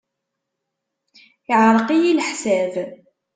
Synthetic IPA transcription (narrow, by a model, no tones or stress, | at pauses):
ɪʕɾˤqijilħsæv